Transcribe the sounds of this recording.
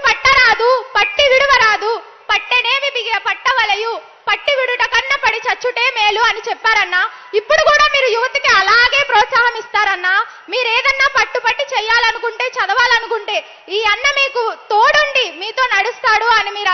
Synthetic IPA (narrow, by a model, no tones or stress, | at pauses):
pɐʈːɐɾaːd̪upɐʈːiʋiɽuʋɐɾaːd̪u | pɐʈːene̞ːʋibʱiɡɐɐpɐʈːɐʋɐlɐju | pɐʈːiʋiɽuʈɐkɐnːɐpɐɽit͡ʃɐt͡ʃːuʈe̞ːmeːluɐnit͡ʃɛpːaːɾɐnːaː | ipːuɽukuːɽaːmiːɾujuʋɐt̪ikiɐlaːɡe̞ːpɾɔːt̪saːɦɐmist̪aːɾɐnːaː | miːɾeːd̪ɐnːaːpɐʈːupɐʈːit͡ʃɛːjaːlɐnukuɳʈe̞ːt͡ʃɐd̪ɐʋaːlɐnukuɳʈe̞ː | iːɐnːɐmiːkut̪oːɽuɳɖimiːt̪o̞ːnɐɽust̪aːɽuɐnimiːɾ